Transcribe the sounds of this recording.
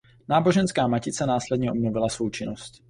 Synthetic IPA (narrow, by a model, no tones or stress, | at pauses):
naːbo̞ʒɛnskaːmacɪt͡sɛnaːslɛdɲɛʔobnovɪlasvowt͡ʃɪnosc